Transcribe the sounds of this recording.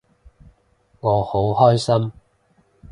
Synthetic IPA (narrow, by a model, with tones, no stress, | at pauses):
ŋɔː˨˧ho˨˥whɔː˥jsɐ˥m